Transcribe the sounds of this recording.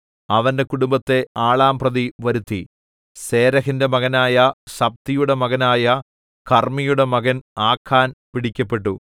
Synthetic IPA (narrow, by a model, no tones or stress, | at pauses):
ɐʋɐnde̞kuɽumbɐt̪ːe̞aːɭaːmprɐðiʋɐɾut̪ːi | se̞ːɾɐɣinde̞mɐɣɐnaːjɐɕɐp̚t̪ijuɽe̞mɐɣɐnaːjɐ | kɐrmijuɽe̞mɐɣɐnaːkʰːaːnpiɽikʲːɐpːe̞ʈːu